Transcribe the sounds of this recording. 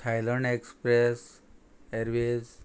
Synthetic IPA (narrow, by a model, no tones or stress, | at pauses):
tʰajlənekspɾes | eɾʋez